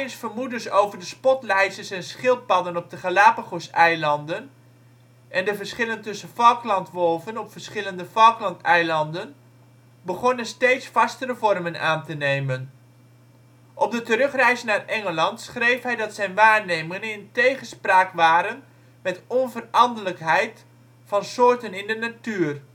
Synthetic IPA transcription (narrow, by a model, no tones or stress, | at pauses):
nsfəɹmudəɹsowvəɹdəspɔtlɛjsəsɛnsχɪlˠt̚pɑdənɔb̚dəχəlaːpaχosɛjlɑndən | ʔɛndəvəɹsχɪləntɵsənfɑlˠklɑntʋɔlˠvənɔpfəɹsχɪləndəvɑlˠklɑntɛjlɑndən | bəχɔnənstejtsfɑstəɾəvɔrməna̰ːntənejmən | ʔɔp̚dətərɵχrɛjzənarɛŋəlɑntsχrejfɦɛjdɑtsɛjnʋaːɹnejmɪŋənɪntejχənspraːkʋaːɾən | mɛtɔnvərɑndələkɦɛjt | fɑnsʊːɹtənɪndənatyːr